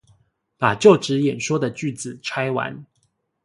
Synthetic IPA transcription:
pa˨˩t͡ɕjo˥˨˩ʊʈ͡ʂɻ̩˨˦jɛ˨˩nʂwɔ˥d̪ə˨t͡ɕy˥˩d͡zɹ̩˨ʈ͡ʂʰwa˥ɪwa̰˧˦n

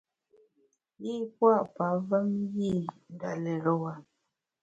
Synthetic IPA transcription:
ji˦pwa˦ʔpa˨˦və˦mji˦˨ŋ˨ɡa˨lɛ˨ɾɔ˨wa˨

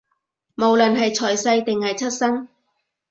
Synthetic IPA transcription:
mo˨wlɵ˨˩nɦɐ˨jt͡sʰɔː˨˩jsɐ˧jt̪ɪ˨ŋhɐ˨jt͡sʰɐ˥t̚sɐ˥ŋ

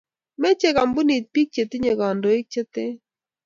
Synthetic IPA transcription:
me˦t͡ʃe˦ka˨mbʊ˦ni˨t̪̚pi˦k̚t͡ʃe˨t̪ɪ˦ɲe˨ɡɔ˨ndɔ˨ɪ˦k̚t͡ʃe˦t̪e˦

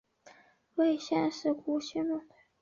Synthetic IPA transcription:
we˥˧ɪɕjɛ˥˧nʂɻ̩˥˩ku˧˥ɕi˥nlu˥˩

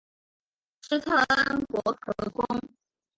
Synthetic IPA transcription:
ʈ͡ʂ̩˥t̪ʰɤ˥˧ə˥nkwɔ˧˥kʰɤ˧˥kʊ˥ŋ

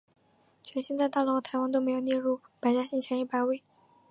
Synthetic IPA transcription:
t͡ɕʰɥɛ˧˥nɕi˥˧nt͡sa˥˧ɪt̪a˥˩lɔ˧˥t̪ʰa˧˥ɪwa˥nt̪o˥ʊme˧˥jo˨˩ʊnjɛ˥˧ɻu˥˩pa˧˥ɪt͡ɕja˥ɕi˥˩ŋt͡ɕʰjɛ˧˥ni˥˩pa˧˥ɪwe˥˩ɪ

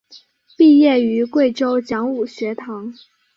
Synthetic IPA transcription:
pi˥˧jɛ˥˩y˧˥kwe˥˩ɪʈ͡ʂo˥ʊt͡ɕjɑ˧˥ŋu˨˩ɕɥɛ˧˥t̪ʰɑ˧˥ŋ

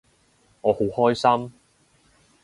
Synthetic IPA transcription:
ŋɔː˨˧ho˨˥whɔː˥jsɐ˥m

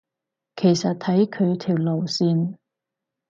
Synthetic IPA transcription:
kʰe˨˩jsɐ˨t̚t̪ʰɐ˨˥jkʰɵ˨˧ɥt̪ʰiː˨˩wlo˨˩wsiː˧n

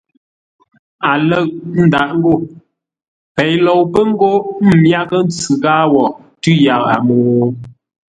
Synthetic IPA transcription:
a˨lə˦˨ʔn̩˦da˨ʔŋ˦ɡo˦˨ | pɛ˨jlɔ˨wpə˦ŋ̩˦ɡo˦m̩˨mja˦kə˦n̩˦t͡sʉ˨ɡaː˦wɔ˨ | tʉ˦ja˨ʔa̰˨mo˨

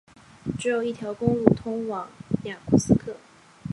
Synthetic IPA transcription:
ʈ͡ʂɻ̩˧˥jo˨˩ʊi˥˩t̪ʰjɑ˧˥ʊkʊ˥ŋlu˥˩t̪ʰʊ˥ŋwɑ˨˧˥ŋja˨˩kʰu˥˩sɹ̩˥kʰɤ˥˩

